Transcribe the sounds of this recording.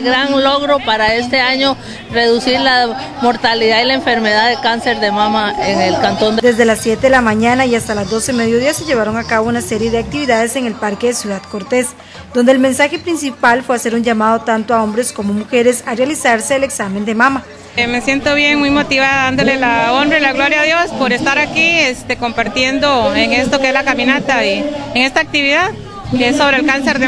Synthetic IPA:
ɡɾaŋloɣɾo̞paɾae̞st̪e̞aɲo̞ | re̞ðusiɾla | mo̞ɾt̪aliðailaeɱfe̞ɾmeðaðekanse̞ɾðe̞mamaeŋelkant̪ond̪d̪e̞zd̪e̞lasːje̞t̪eðelamaɲanaiast̪alazd̪o̞se̞me̞ðjo̞ð̞iase̞ʝe̞βaɾo̞ŋakaβo̞unase̞ɾje̞ðe̞ak̚t̪iβiðaðe̞se̞ŋe̞lpaɾke̞ðesjuðaðko̞ɾt̪e̞s | d̪ond̪eːlme̞nsaxe̞pɾinsipalfwe̞ase̞ɾund͡ʒamaðo̞t̪ant̪oao̞mbɾe̞sko̞mo̞muxe̞ɾe̞sarealisaɾse̞ːle̞ksame̞nd̪emama | me̞sje̞nt̪o̞βje̞ŋmujmo̞t̪iβaðaðand̪o̞lelaonrailaɣloɾjaðjo̞spoɾe̞st̪aɾakiest̪eko̞mpaɾt̪je̞nd̪o̞eŋest̪okeezlakamĩnat̪aieŋe̞st̪aːk̚t̪iβiðað | keesːo̞βɾeːlkanseɾde

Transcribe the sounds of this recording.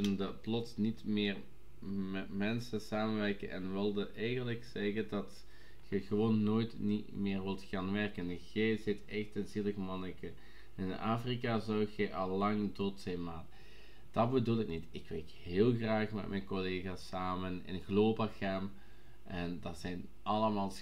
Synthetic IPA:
nəndəplɔtsnitmɪːr | mɛtmɛnsəsaːmənʋɛrkə̰nʔɛ̰nʋɪlˠdəʔɛjɣənləksɛɣədɑt | ɣəɣəʋoːnːoːjtni | mɪːrʋɪlˠtxaːnʋɛrkənɣejzɪtɛxtɪnzilˠəɣəmɑnəkə | ɪnaːfrikazɔwɣɛʔɑlːɑŋdotsɛjnmaːt | d̥ɑtbədulˠɪk̚nitɪkʋɛrkɦɪːlˠxraːxmɛ̰tmʔɛjnkoleːɣaːsaːmənɪ̰nkloːbaxɛm | ʔɛndɑtsɛjn | ʔɑləmaːlˠ

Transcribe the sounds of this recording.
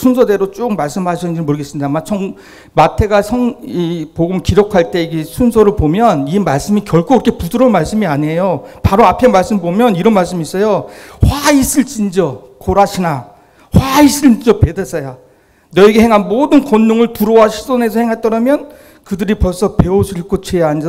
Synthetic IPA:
sʰunsʰʌde̞ɾot͡ɕ͈ok̚maɭs͈ɯmɦaɕʰinnd͡ʑiɾɭmoɾɯɡe̞s͈ɯmɲidamat͡ɕʰʌŋ | matʰe̞ɡasʰʌŋipoɡumkiɾokʰaɭt͈e̞iɡesʰunsʰʌɾɯɭpomjʌnimaɭs͈ɯmikjʌɭkʰoiɾʌkʰepudɯɾʌnmaɭs͈ɯmiaɲejopaɾoapʰe̞maɭs͈ɯmpomjʌniɾʌnmaɭs͈ɯmis͈ʌjoɸwais͈ɯɭt͡ɕ͈ind͡ʑʌ | koɾaɕʰina | ɸwaiɕʰid͡ʑʌpe̞des͈ʰʌja | nʌeɡehe̞ŋɦanmodɯnkʌnːoŋɯɭtuɾowaɕʰi̥s͈ʰone̞sʰʌhe̞ŋɦaɭt͈ʌɾamjʌn | kɯdɯɾipʌɭs͈ʰʌpe̞oɕʰiɭk͈ot͡ɕʰejaɦnd͡ʑ

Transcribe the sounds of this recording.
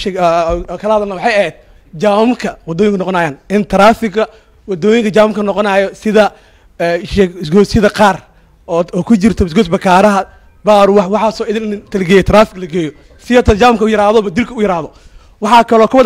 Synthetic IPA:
ɛkʰɐlɐhɐðɐlnɐwɑħɑːjɐɦɛːd̪̥̚ | d͡ʒaːʊmkʰɐwɑd̪ɔːjɪŋkʰʊnɔqɔnaːjaːnɪnt̪ʰɐɾaːfɪɡɐ | wɑd̪ɔːjɪŋkʰɐt͡ʃaːwʊmkʰɐnɔqɔnaːjɔsɪðɐ | ɛʃɛːɪsɡɔːsɪðɐqɑːr | ɔːkʰʊt͡ʃɪrt̪ʰɔɪs̬ɡɔsbɐkʰaːɾɐɦɐ | baːɾwɑwɑħɑːsɔːɪðɪnɪnt̪ʰɐlɡɛːjɛt̪ʰɾaːfɪɡlɐɡɛːjɔ | sɪjɔt̪ʰɐd͡ʒaːʊmkʰɐʊjɐɾaːðɔβɐd̪ɪlkʰɐʊjɪɾaːðɔ | wɑħɑːkʰɐlɔːkʰʊβɐd̪

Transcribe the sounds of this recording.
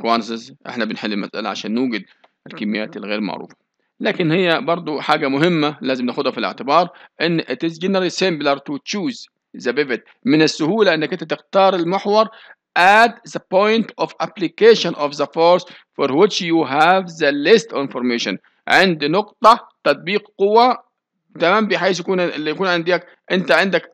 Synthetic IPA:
kwansɪsʔɪ̰ħnabɪnħɪlːilmasʔa̰la̰ʕa̰ʃæːnːuːɡɪd̪̚ | ɪlkɪmːɪjːa̰ːt̪ɪlɣeːɾma̰ʕɾṵːfḁ | læːkɪnhɪjːæbɑɾˤd̪ˤʊħaːɡamʊɦɪmːalæːzɪmnaːxʊd̪hafilɪ̰ʕt̪ɪbɑːɾˤʔɪnːʔɪt̪ɪzɡɪnɾalisɪmblaɾt̪ut͡ʃuːz | zabɪvɪt̪̚ | mɪnɪsːʊhuːlaʔɪnːakʔɪnt̪at̪ɪxt̪ɑːɾˤɪlmɪħwɑɾˤ | ʔad̪zapojnt̪ʔɔfʔaplɪkeːʃanʔɔfðafoɾs | fɔɾˤwɪt͡ʃjuɦavzalɪst̪vɪnfɔɾˤmeːʃa̰n | ʕɪnd̪nʊqt̪ˤɑt̪ɑt̪̚ˤbiːqqʊwːa | t̪amaːmbiːħajsjakuːnlːijakuːnʕɪnd̪iak | ʔɪnt̪aʕɪnd̪ak

